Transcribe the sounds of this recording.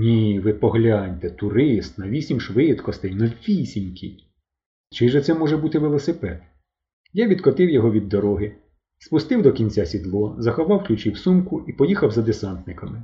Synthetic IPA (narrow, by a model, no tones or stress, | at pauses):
nʲiʋɪpɔɦlʲɑnʲt̪ɛt̪ʊɾɪst̪nɐʋʲisʲimʃʋɪt̪kɔst̪ɪjnɔʋʲisʲinʲkʰʲij | t͡ʃɪʒɛt̪sɛmɔʒɛbut̪ɪʋelˠɔsɪpɛd̪ | jaʋʲid̪kɔt̪ɪwjɔɦɔʋʲid̪ːɔɾɔɦɪ | spʊst̪ɪwd̪ɔkʲinʲt͡sʲasʲid̪lˠɔzɐxɔʋɑwklʲut͡ʃiwsumkʊipɔjixɐwzɐd̪esɑnt̪nɪkɐmɪ